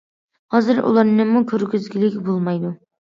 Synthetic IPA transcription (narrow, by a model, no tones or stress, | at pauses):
hɑzɨɾṵlˠɑɾnɪmukʲʰøɾɡʲyzɡʲilɪkʲbolˠmɑjd̪u